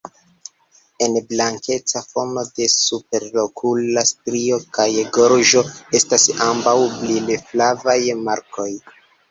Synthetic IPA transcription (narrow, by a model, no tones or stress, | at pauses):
e̞nblaŋke̞t͡safo̞no̞de̞supe̞ɾlo̞kʰulastɾio̞kajɡo̞ɾʒo̞e̞stasambawblileflavajmaɾko̞j